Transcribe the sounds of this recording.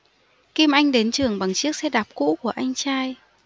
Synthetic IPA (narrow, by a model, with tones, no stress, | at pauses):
ki˧mʔa˧jŋ̟ɗe˨˦nt͡ɕɨ˨˩əŋɓa˨˩ŋt͡ɕɨ˦˥ək̚sɛ̰˧˥ɗaː˨˩p̚kṵ˧˥ku˧˩əʔa˧jŋ̟t͡ɕaː˧j